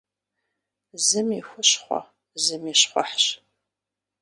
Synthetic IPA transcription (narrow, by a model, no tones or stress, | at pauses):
zɨmiːxʷʊɕχʷɔ̰ | zɨmiːɕχʷɔ̰ħɕ